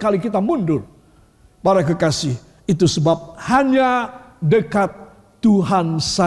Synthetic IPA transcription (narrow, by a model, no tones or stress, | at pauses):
kalikit̪amundʊr | baɾakəkasɪh | it̪̬usəbap̚haɲadəkat̪ː | uɦansa